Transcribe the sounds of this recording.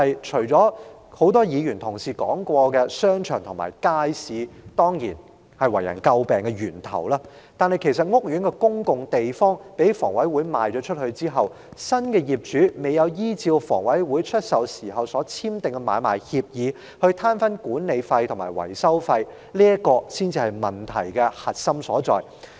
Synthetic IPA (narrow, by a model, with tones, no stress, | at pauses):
hɐ˨jt͡ʃʰɵ˨˩t͡sɔː˨˥ho˨˥wt̪ɔː˥jiː˨˧jyː˨˩nt̪ʰʊ˨˩ŋsiː˨kɔ̰ː˨˥ŋkʷɔː˧kɛː˧sœː˥ŋt͡ʃʰœ̰ː˨˩ŋt̪ʰma̰ː˨˩jkaː˥jsiː˨˧t̪ɔː˥ŋjḭː˨˩n | hɐ˨˩jwɐ̰˨˩jɐ̰˨˩nkɐ˧wpɛː˨ŋkɛ˧jyː˨˩nt̪ʰɐ̰˨˩wlaː˥ | t̪aː˨˧nhɐ˨jkʰe˨˩jsɐ˨t̚ŋʊ˥k̚jyː˨˥nkɛ˧kʊ˥ŋkʊ˨ŋt̪e˨jfɔː˥ŋpe˨˥jfɔː˨˩ŋwɐ˨˥jwuː˨˥jma̰ː˨jt͡ʃɔː˨˥t͡ʃʰɵ˥t̚hɵ˧ɥt͡siː˥ɦɐ˨w | sɐ˥nkɛː˧jiː˨p̚t͡ʃyː˨˥me˨˧jɐ˨˧wjiː˥t͡siː˧wfɔ̰ː˨˩ŋwɐ˨˥jwuː˨˥jt͡ʃʰɵ˥t̚sɐ˨˧wsiː˨˩ɦɐ˨wsɔː˨˥t͡sʰiː˥mt̪ɪ˨˩ŋkɛ˧ma̰ː˨˧jma̰ː˨˩jhiː˧p̚jiː˨˧ | hɵ˧ɥt̪ʰaː˥nfɐ˥nkuː˨˥nle˨˧jfɐ˧jt̪ʰʊ˨˩maː˨˩jwɐ̰˨˩jsɐ˥wfɐ˧j | liː˥ɐ˥kɔː˧siː˥nt͡siː˧hɐ˨˩jmɐ˨˩nt̪ʰɐ̰˨˩jkɛ˧hɐ˨t̚sɐ˥msɔː˨˥t͡sɔ̰ː˨˧j